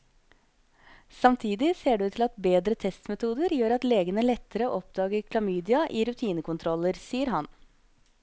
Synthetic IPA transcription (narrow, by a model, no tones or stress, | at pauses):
sɑmt̪ʰiːd̪ɪseːɖʉːt̪ʰɪlɑt̪beːd̪ɾət̪ʰɛst̪mɛt̪ʰuːd̪əɾjøːɾɑt̪leːɡənəlɛt̪ːəɾəoːʔɔpd̪ɑːɡəkʰlɑmyːd̪ɪɑʔiːɾʉt̪ʰiːnəkʊnt̪ʰɾɔlːəɾsiːəɾɦɑn